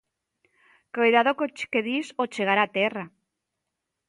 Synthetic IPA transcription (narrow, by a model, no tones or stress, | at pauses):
kojðaðokot͡ʃkeðisot͡ʃeɣaɾat̪era